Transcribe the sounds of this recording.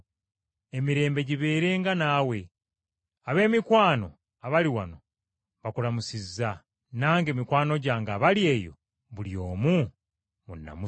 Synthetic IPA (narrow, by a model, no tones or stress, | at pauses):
e̞miɾe̞ːmbe̞ɟiβe̞ːɾe̞ːŋɡanawe̞ | aβe̞ːmikwaːno̞̰ | aβaliwano | βakulamusiza | naːŋɡe̞ːmikwaːno̞ɟaːŋɡaβalje̞ːjo̞̰ | βulijo̞ːmu | munːa̰mu